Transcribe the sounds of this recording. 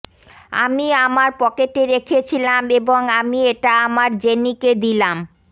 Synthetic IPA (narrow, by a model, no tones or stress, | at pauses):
a̰miamaɾpɔkeʈeɾekʰet͡ɕʰilameboŋamieʈaamaɾd͡ʑeniked̪ilam